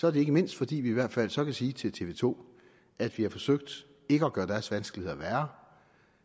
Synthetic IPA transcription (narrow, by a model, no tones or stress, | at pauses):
sɒɐd̥ɾe̝e̝ɡ̥əme̝n̰sd̥fɒ̽d̥ḭːʋiːʋæɐ̰d̥fæl̰sɒ̽kʰæsiːt͡sʰe̝lt͡sʰe̝ʋe̝̰ːt͡sʰo̝̰ː | ʔæd̥ʋihɑ̈fɒ̽søɡ̥̚d̥ | e̝ɡ̥əɒɡ̥ɶːɐd̥æɐsʋænsɡ̥lihḛɐʋæːɐ